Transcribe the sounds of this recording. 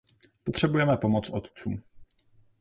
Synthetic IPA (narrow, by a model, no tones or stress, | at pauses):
pot̪r̝̥ɛbujɛmɛpo̞mo̞t͡sʔot̪t͡suːm